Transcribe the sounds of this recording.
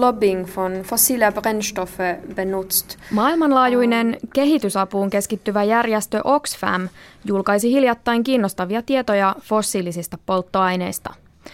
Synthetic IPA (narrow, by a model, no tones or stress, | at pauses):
lɔbɪŋfɔnfosːiːliɑbɾɛnʃt̪ɔfəbɛnut̪st̪mɑːilmɑnlɑːjujne̞nke̞ɦit̪ysɑpuːŋke̞skit̪ːyʋæjærjest̪ø̞ʔo̞ksfæ̰mjulkɑjsihiljɑt̪ːɑjŋkiːnːost̪ɑʋiɑt̪ie̞t̪o̞jɑfo̞sːiːlisist̪ɑpo̞lt̪ːo̞ɑjne̞jst̪ɑ̰